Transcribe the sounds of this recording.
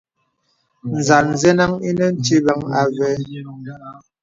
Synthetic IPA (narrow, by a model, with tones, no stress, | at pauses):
n̩˨za˨n˨zɛ˦na˦ŋi˦nɛ˦n̩˦ti˦ba˨˦ŋa˨vɛ˨˦